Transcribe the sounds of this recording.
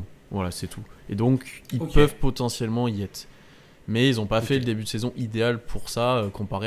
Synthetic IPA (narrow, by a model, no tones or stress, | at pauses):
vwalasɛt̪ʰued̪ɔ̃kilpœvpɔt̪ɑ̃sjɛlmɑ̃iɛt̪χ | mɛilzɔ̃pafɛləd̪ebyd̪əsezɔ̃ʔid̪ealpʰuʁsaøkɔ̃paʁe